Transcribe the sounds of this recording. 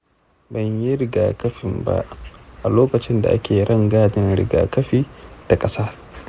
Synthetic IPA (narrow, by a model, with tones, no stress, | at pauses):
bɐ˨ɲji˦ɾɪ˨ɡaː˨kɐ˦ɸɪ˨mba̰˦ʔʔa˨loː˦kɐ˨t͡ʃɪ˦nda̰˨ʔa˦kʲʰeː˨ɾʔɐ˦˨ŋɡaː˦dɪ˦nɽɪ̰˨ɡa̰ː˨kɐ˦ɸiː˦ta˨kʼɐ˦saː˦